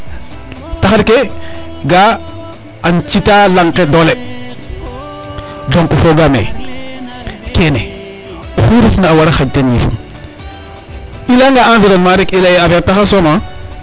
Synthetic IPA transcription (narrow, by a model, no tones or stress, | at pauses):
taxaɾke | ɡa | ant͡ʃitalaŋkedole | loŋkufoɡamḛ | kene | oxuɾifnaːwaɾaxaɟtenifṵm | ilaŋɡaanfiɾonmaɾikilajafataxasona